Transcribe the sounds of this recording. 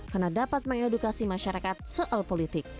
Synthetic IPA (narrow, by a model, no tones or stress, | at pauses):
karnadapat̪̚məŋedukasimaʃaɾakat̪̚soʔɔlpolit̪ɪk̚